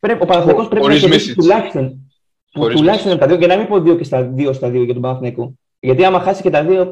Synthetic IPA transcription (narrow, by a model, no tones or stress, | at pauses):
pɾeo̞pɐnɐθniko̞spɾe̞inɐeisit̪ulɐçi̥st̪o̞n | put̪ulɐçist̪ont̪ɐðioʝenɐmipoðio̞cest̪ɐðio̞st̪ɐðioʝɐt̪obɐnɐθniku | ʝɐt̪iɐmɐxɐsiscet̪ɐðio̞